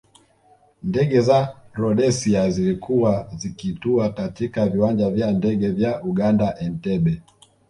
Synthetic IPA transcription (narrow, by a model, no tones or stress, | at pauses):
ndɛɠɛzaɾɔɗɛsiazilikʰuwazikituakatikaviwand͡ʒavjandɛɠɛvjauɠandaʔɛn̩tɛɓɛ